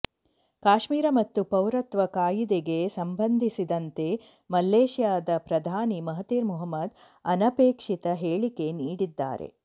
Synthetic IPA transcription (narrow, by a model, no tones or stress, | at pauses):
kaːʃmiːɾɐmɐt̪ːupɐwɾɐt̪ʋɐkaːjid̪eɡe̞sɐmbɐnd̪ʱisid̪ɐnt̪e̞ | mɐlːeːʃjaːd̪ɐpɾɐd̪ʱaːnimɐɦɐt̪iːɾmuɦɐmːɐd̪ | ɐnɐpeːkʂit̪ɐɦeːɭike̞niːɽid̪ːa̰ːɾḛ